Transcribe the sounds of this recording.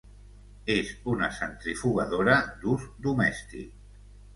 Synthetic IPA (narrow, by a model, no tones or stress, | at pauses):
ezunəsənt̪ɾifuɣəðoɾəd̪uzd̪umɛst̪ḭk̚